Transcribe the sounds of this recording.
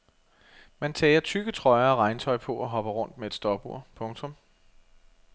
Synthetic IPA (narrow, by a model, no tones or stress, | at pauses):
mænt͡sʰɛːɐt͡sʰyɡ̥ət͡sʰʁɒ̽ɪɐːʁɑ̈ɪnt͡sʰɒ̽ɪpʰɔ̽ʔɒɦɒ̽b̥ɐʁɔ̽n̰d̥meed̥sd̥ɒb̥u̝ɐ̰pʰɔ̽ŋt͡sʰɔ̽m